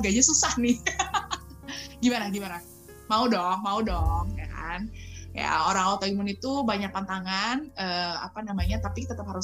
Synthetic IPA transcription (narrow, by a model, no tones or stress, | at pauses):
ɡaɲasusahnɪ | ɡimanaɡimana | maudɔŋmaudɔŋka̰nja̰oɾaŋaut̪aimʊnit̪ubaɲak̚pant̪aŋanəːa̰panamaɲat̪apit̪ət̪əp̚haɾʊ